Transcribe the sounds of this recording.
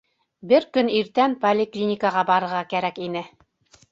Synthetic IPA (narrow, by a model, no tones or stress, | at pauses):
bɘɾkɵniɾt̪ænpolʲɪklʲinʲɪkəʁɑbɑɾɤ̆ɾʁɑkæɾækinɘ